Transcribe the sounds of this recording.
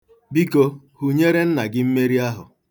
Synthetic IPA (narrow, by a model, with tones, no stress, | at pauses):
bi˦ko˦ | hu˦ɲe˦ɾe˦n̩˦na˨ɡɪ˦m̩˦me˦ɾi˦a˦ɦʊ̰˨